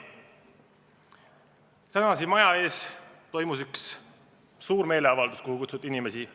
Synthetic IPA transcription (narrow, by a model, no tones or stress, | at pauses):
t̪ænɑsimɑjɑe̞ːst̪o̞jmusyksː | uːɾme̞ːle̞ɑvɑld̪̥uskoɦukut̪sut̪ːinime̞si